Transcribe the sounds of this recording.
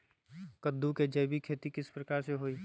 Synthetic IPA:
kəd̪ːuked͡ʒəjbikʰeːt̪ikɪspɾɐkaːɾseɦoːiː

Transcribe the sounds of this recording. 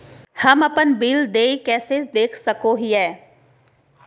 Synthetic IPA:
hɐmɐpənbiːld̪eːikɛːsed̪eːkʰsɐkoɦiɛː

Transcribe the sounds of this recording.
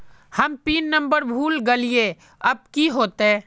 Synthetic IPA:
hɐmpiːnːə̃mbəɾbʱuːlɡɐlie | ɐb̚kiɦoːt̪ɛ̃ː

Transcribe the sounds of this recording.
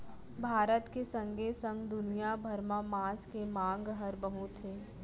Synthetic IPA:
bʱaːɾət̪kesɐ̃ŋɡesə̃ŋɡd̪ʊnijabʱəɾmãmaːskemãːŋɡɦəɾbəɦut̪ɦeː

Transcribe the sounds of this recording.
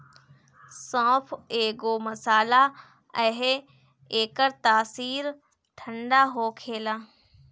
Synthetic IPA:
sãːpʰeːɡoːmɐsaːla | əɦ | eːkəɾt̪aːsiːɾ | t̪ʰə̃ɳɖaɦoːkʰeːlaː

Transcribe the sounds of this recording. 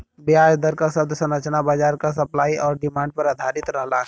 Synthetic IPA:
bɪaːd͡ʒd̪əɾkasɐbd̪sɐnət͡ʃnabaːd͡ʒaːɾkasɐplaːiʔɔːɾɖɪmãːɳɖ̚pɐɾad̪ʱaːɾɪt̪ɾəɦlaɦ

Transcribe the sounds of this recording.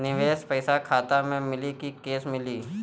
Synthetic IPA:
nɪʋeːspɐɪsakʰaːt̪amẽmɪlikikeːsmɪliː

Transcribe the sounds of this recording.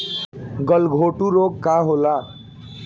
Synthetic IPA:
ɡʌlɡʱoʈuɾokkːaɦola

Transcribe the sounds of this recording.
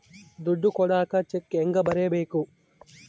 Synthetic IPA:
d̪uɖːukɔɽaːkɐt͡ʃekːeŋɡɐbɐɾeːɐbeːku

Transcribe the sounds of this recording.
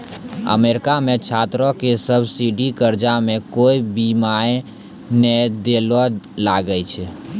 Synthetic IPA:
ə̰meɾkamẽt͡ʃʰat̪ɾɔ̃kesəbʱsiɖikəɾd͡ʒamẽkoibimae | nɛd̪elɔlaɡəjt͡ʃʰɛ

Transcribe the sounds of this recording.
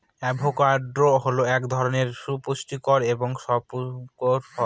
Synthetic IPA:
ɛbʱokaɾɖɾoɦoloɛkd̪ʱɔɾoneɾʃupuʃʈikoɾeboŋʃɔpukoɾfɔ

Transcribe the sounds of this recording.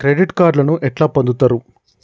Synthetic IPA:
kɾeɖiʈkaːɖlɐnuʔɛʈlaːpɐnd̪ut̪aːɾu

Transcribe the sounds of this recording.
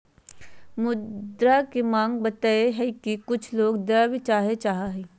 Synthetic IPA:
mʊd̪ɾakemãːŋɡ̚bɐt̪aːeɦɛkikʊt͡ʃʰloːɡd̪ɐbʱit͡ʃaːɦet͡ʃaːɦaɦɛ

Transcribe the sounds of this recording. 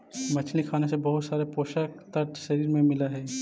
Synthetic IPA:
mɐt͡ʃʰlikʰaːnesebɐɦʊt̪saːɾepoːʃəkt̪əɾʈʃɐɾiːɾmẽmɪlaɦɛː

